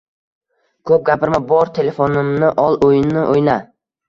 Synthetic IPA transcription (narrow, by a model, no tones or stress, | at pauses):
kʰɵp̚ɡʲapɪɾmabɒɾt̪ʰe̞le̞fonɪmnɪʔɒlˠojɪnɪʔojna